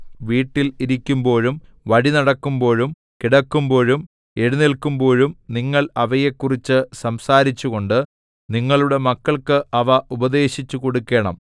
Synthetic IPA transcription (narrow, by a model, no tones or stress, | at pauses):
ʋiːʈːiliɾikʲːumbo̞ːɻum | ʋɐɻinɐɽɐkːumbo̞ːɻum | kiɽɐkːumbo̞ːɻum | e̞ɻunilkːumbo̞ːɻumniŋːɐɭɐʋɐjekːurit͡ɕːɨsɐmsaːɾit͡ɕːuɣo̞ɳɖɨ | niŋːɐɭuɽe̞mɐkːɐɭkɨɐʋɐʔubɐd̪e̞ːɕit͡ɕːuko̞ɽukːe̞ːɳɐ̰m